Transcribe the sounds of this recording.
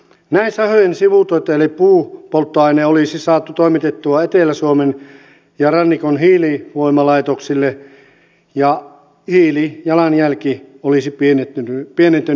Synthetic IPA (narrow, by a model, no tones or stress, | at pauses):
næinsɑhojensiʋut̪oit̪ːɑelipuːpolt̪ːoɑineolisisɑːt̪ːˑut̪oˑimit̪et̪ːuɑet̪eˑlæsuomen | jɑrɑnːikonhiːliʋoimɑlɑit̪oksilːe | jɑ | hiːlijɑlɑnjælkioliˑsipienet̪ːypienent̪ːe